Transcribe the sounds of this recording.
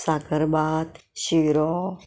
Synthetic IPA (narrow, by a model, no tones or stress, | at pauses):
sakəɾbaːt̪ɕiɾɔ